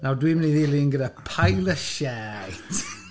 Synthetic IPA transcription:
nawdwimniðɪlˠɪnɡədapʰajlˠəʃɛːt

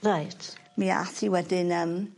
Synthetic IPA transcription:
rajtʰmia̰θiwɛdɪnəm

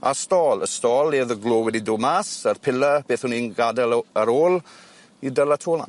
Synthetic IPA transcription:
a̰stɔːləstɔːlˠeːðəɡloːwɛdidomasərpʰɪləb̥eːθhʊninɡadaləɾoːl | idəlatʰoːlna̰

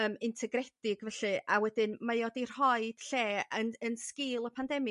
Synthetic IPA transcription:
əːmɪntʰɛɡrɛdɪɡvɛɬɨʔawɛdɪnmajɔdir̥hɔɨd̥ɬeːənənskɪlˠəpʰandɛmi

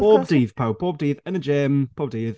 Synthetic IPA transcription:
b̥ɔbdiːv̥pʰawbɔːb̚diːðə̃nəd͡ʒɛmpʰɔb̚diːð

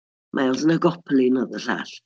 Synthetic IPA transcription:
mʔaɔlzənəɡɔpʰlˠinəðər̥a̰ɬ

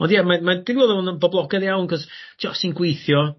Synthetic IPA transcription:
ɔndjɛmamad̥ivoːðɔɔnənbɔblˠɔɡɛdjawnkʰɔztʰɔsinɡwejθjɔ

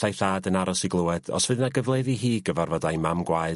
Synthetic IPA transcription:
ajθaːdənaɾɔsiɡlˠʊɛd̥ɔ̰sv̥ɨðnaɡəvlˠeðiɦiːɡəvarvɔdajmamɡwaɨ

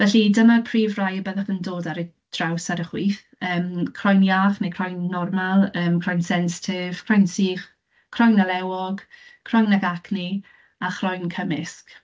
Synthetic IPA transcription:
vɛɬidəmapʰriːvrajbəðaχəndoːdaɾə | d̥rawsaɾəχwiːθ | əːmkʰrɔjnjaːχnekʰrɔjnːɔrmalˠəːmkʰr̥ɔjnsɛnsɪ̥tʰɪv̥kʰr̥ɔjnsiːχ | kʰr̥ɔjnalɛwɔɡ̥kʰr̥ɔjnaɡakni | aχrɔjnkʰəmɪsk

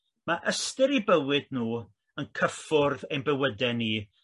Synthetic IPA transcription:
maʔəstɪɾibəwɨdnuː | ənkʰəfʊrðejnbɛwədɛniː

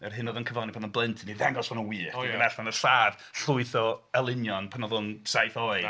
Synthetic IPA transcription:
ɛrɦɨnɔðɔnkʰəvlanipʰanɔnblˠɪntʰniðɛɡɔsɔnənwiːɡənɛɬanərɬaːd̥ | ɬʊɨθɔəlˠɪnjɔnpʰanɔðʊnsajθɔɨ

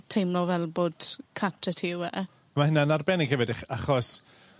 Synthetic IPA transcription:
tʰejmlɔvɛlˠboːd̥kʰatʰɛtʰiwɛ | maɦɪnanarbɛnɪɡ̥ɛvɔdɪχaχɔs

